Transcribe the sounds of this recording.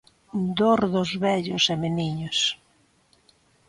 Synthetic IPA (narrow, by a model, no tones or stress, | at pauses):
d̪oɾðʊzβɛʎʊsemeniɲos